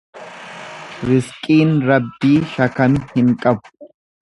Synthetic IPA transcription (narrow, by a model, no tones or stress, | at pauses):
ɾɪskʼiːnɾɐbːiːʃɐkɐmhɪŋkʼɐbʊ̥